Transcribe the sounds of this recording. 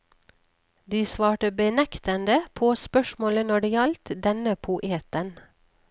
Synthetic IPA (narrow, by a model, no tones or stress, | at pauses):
d̪iːsʋɑːʈəbənɛkt̪ənd̪əpʰoːspœʃmoːlənɔɖiːɑlt̪d̪ɛnəpʰʊʔeːt̪ən